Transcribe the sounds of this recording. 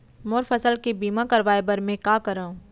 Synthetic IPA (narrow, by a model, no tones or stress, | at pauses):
moːɾfəsəlkebiːmãkɐɾʋaːebɐɾmẽkaːkəɾaːũ